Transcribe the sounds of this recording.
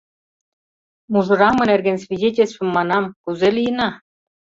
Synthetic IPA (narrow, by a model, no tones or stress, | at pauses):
muʐɤ̆ɾɑmɤ̆nerɡʲɘ̆nʲsvʲidʲetʲĕlʲst̪vɘ̆mːɑnɑmkuzelʲijɘ̆nɑ